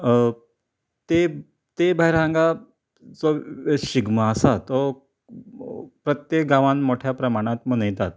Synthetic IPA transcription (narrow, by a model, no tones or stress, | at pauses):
t̪e | t̪ebʱajɾãŋɡa | d͡zoɕiɡmaːsat̪ɔ | pɾət̪jek̚ɡãʋãnmoʈʰjapɾəmaɽ̃ãt̪mənəjt̪at̪̚